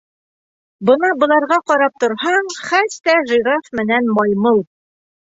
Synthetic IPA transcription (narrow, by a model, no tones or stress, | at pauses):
bɤnɑbɤ̆lˠɑɾʁɑqɒɾɑp̚t̪ŏɾhɑɴχæst̪æʒiɾɑfmɘ̆nænmɑjmɤlˠ